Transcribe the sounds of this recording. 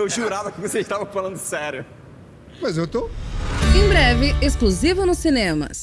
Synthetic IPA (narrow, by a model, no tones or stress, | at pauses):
ewʒuɾavɐkɪvoseiʃt̪avɐ̃falɐ̃nd̪ʊsɛɾjʊ | mɐjzewt̪o | ẽj̃bɾɛvɪesklozivʊnʊsinẽmɐ̰s